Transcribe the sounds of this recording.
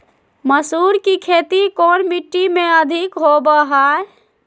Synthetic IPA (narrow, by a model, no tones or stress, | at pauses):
məsuːɾkikʰeːt̪ikoːnmiʈːimẽəd̪ʱɪkɦobəɦae